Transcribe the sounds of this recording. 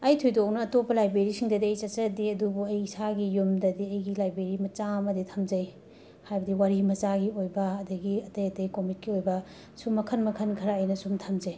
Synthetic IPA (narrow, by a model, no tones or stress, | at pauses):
ɐjtʰujdok̚nɐːtopːɐlajbɾeɾisiŋdɐdiɐjt͡ʃɐt͡ʃɐdiɐdubuɐjsaɡijumdɐdiɐjɡilajbɾeɾimɐt͡ʃamɐditʰɐmd͡ʒɐj | hajbɐdiwaɾimɐt͡ʃaɡiojbɐːdɐɡiɐtɐjɐtɐjkomit̚kiojbɐ | sumɐkʰɐnmɐkʰɐnkʰɐɾaɐjnɐsumtʰɐmd͡ʒɐj